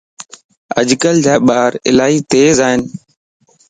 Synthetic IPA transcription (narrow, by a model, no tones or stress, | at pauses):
ə̰ʄkəld͡ʒaːɓaːɾɪ̰laːiːt̪eːzaːɦɪnɪ